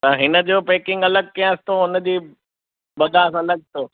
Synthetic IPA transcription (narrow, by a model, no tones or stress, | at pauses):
t̪ɐɦɪnə̆d͡ʑoːpeːkɪ̃ŋɡɐləɡ̚kijãɪsɪ̥t̪oʊnə̆d͡ʑiː | bɐd̪ʱãsãːlɐɡ̚ʱt̪oː